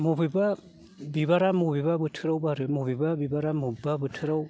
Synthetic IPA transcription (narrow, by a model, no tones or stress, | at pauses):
mobiba | bibaɾamobibabɯtʰɯɾawbaɾɯmobibabibaɾamubibabɯtʰɯɾaw